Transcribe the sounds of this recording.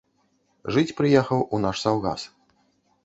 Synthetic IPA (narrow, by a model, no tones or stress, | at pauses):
ʐɨt͡sʲpɾɨjɛxɐwunaʂsawɣa̰s